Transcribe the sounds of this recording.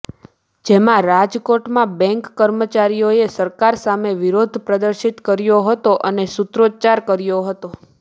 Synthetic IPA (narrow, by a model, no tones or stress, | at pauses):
d͡ʒemãɾad͡ʒkoʈmãbɛ̃ŋkːəɾmət͡ʃaɾijoesəɾkaɾsameʋiɾod̪ʱpɾəd̪əɾʃit̪kəɾjoɦət̪oʔənesut̪ɾod͡ʒt͡ʃaɾkəɾjoɦət̪o